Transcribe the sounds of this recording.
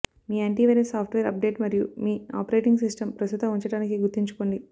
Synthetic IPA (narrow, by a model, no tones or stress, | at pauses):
miːeɳʈiːʋeɾesaːpʰʈʋeːɾɐp̚ɖe̞ːʈmɐɾjumiːa̰ːpɐɾeːʈiŋɡsisʈɐmpɾɐst̪ut̪ɐmuɲt͡ʃɐɽaːnikiɡuɾt̪ːiɲt͡ʃu̥koːɳɖi